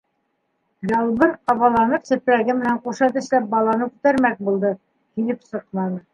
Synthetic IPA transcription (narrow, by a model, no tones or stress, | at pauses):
jɑlˠbɤɾqɑβɑlˠɑnɤpsɘ̆pɾæɡɘmɘ̆næɴquʃɑt̪ɘ̆ɕlæp̚bɑlˠɑnɤkʉt̪æɾmæk̚bulˠd̪ɤ | kinɘpsɤ̆qmɑnɤ